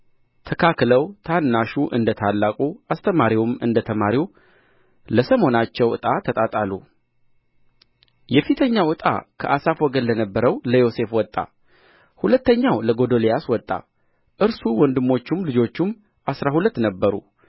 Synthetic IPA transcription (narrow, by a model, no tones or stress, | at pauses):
t̪ʰəkʰakləwt̪ʰanːaʃuʔɨ̰nd̪ət̪ʰalːakʼuast̪ʰəmaɾiwumɨnd̪ət̪ʰəmaɾiw | ləsəmo̞nat͡ʃːɛwɨ̰t̪ʼat̪ʰət̪ʼat̪ʼalːu | jɛfit̪ʰəɲːawɨt̪ʼa̰kʰəʔasafwɔɡənːənəbːəɾəwləjo̞se̞fwɔt̪ʼːa̰ | hulət̪ːəɲːawləɡo̞d̪o̞lejaswɔt̪ʼːa̰ | ʔɨɾsuwɔnd̪ɨmːo̞t͡ʃːumlɨd͡ʒo̞t͡ʃːum | ʔasɾahulət̪ːnəbːəɾṵ